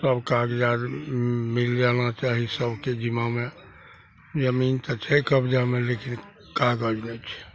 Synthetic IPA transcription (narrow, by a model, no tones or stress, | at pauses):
səbkaːɡd͡ʒaːɾmild͡ʒanat͡ʃaɦisəbʱked͡ʒimamẽ | d͡ʒəmiːnt̪ət͡ʃʰɛkəbd͡ʒamẽlekin | kaɡəd͡ʒnet͡ʃʰɛ̥